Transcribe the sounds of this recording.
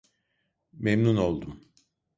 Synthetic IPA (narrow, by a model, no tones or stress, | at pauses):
memnuno̞lˠd̪um